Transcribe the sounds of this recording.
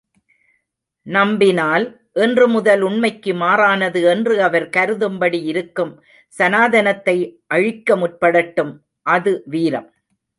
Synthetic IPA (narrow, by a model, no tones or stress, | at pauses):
nɐmbɪnaːl | ʔɛndrɯmʊðɐlʊɳmɐɪkːɯmaːɾaːnɐðɯɛndrɯɐʋɐɾkɐɾɯðɯmbɐɽiɪɾɯkːɯm | sɐnaːðɐnɐt̪ːɐɪʔɐɻɪkːɐmʊʈ̚pɐɽɐʈːɯm | ʔɐðɯʋiːɾɐm